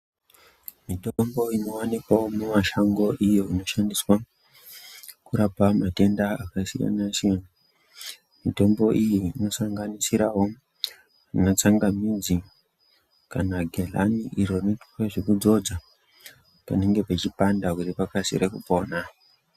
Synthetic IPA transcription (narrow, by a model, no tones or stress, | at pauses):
mitombo̞ino̞wanikwawomumaʃaŋɡo̞ʔijoino̞ʃandiswa | kuɾapamate̞ndaakasḭja̰naʃena | mito̞mbo̞ʔijiːno̞saŋɡanisiɾawo̞ | inat͡saŋɡamid͡zi | kanaɡʱela̰niʔiɾo̞netu̥keʐekud͡zo̞d͡za | pa̰neŋɡe̞pet͡ʃipandakuripakasḭrekupo̞ːna